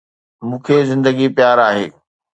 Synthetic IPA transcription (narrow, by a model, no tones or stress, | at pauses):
mũːkʰezɪ̃nd̪əɡipjaːɾaːɦḛː